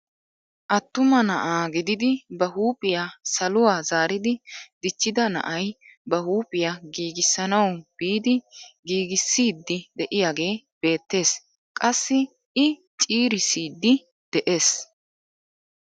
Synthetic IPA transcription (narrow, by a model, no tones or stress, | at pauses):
ʔɐt̪ːʊmɐnɐʔaːɡɪd̪ɪd̪ɪbɐɦuːpʼɪjaːsɐlʊwaːzaːɾɪd̪ɪd̪ɪt͡ʃːɪd̪ɐnɐ̰ʔɐjbɐhuːpʼɪjaɡiːɡɪsːɐnɐwb̥iːd̪ɪɡiːɡɪsːiːd̪ːɪd̪ɛʔɪjaːɡe̞ː | b̥e̞ːt̪ːe̞ːs | kʼɐsːɪ | ɪ | t͡ʃʼiːɾɪsiːd̪ːɪ | d̪̥ɛʔe̞ːs